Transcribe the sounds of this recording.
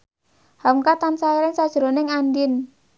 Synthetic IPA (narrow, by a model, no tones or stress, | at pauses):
haŋkat̪ansaiɾɪnsad̥ʒ̥ɾonɪŋandɪn